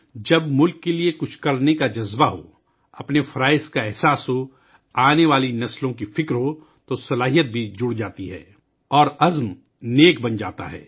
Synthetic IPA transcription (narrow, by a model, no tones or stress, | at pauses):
d͡ʒɐbmʊlkːeliekʊt͡ʃʰkɐɾnekad͡ʒɐzbaɦo̰ | ɐpnefʰɐɾaːɪzkaɛɦsaːsɦo | aːneʋaːlinɐslõkifɪkɾɦo | t̪osɐlaːɦijət̪̚bʱid͡ʒʊɽd͡ʒaːt̪iɦɛ̰ː | ɔːɾɐzm | neːk̚bɐnd͡ʒa̰ːt̪a̰ɦɛ̰ː